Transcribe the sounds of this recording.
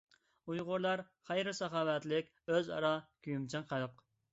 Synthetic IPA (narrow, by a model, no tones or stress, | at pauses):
ujʁʊɾlˠɑɾ | χɛjɾɪsɑχɑːwɛt̪lɪkʲ | øzɑ̰ɾɑkʲʰyjymt͡ʃʰɨŋqʰɑjʊq